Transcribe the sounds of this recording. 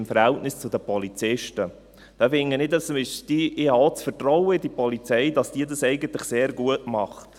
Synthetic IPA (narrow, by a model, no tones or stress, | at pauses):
mfəɾhɛltnɪst͡sʊdəpɔlit͡sɪʃtə | d̥ɑfɪŋːənɪdɑsmɪʃd̥iɪhɑot͡sfərtrɔwəɪdipɔlit͡sɛjdɑsd̥iːədɑsɛɪɡəntlɪχseːɾɡuətmɑχt